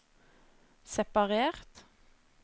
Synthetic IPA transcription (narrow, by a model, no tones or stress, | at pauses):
sɛpɑʁeːʁt̪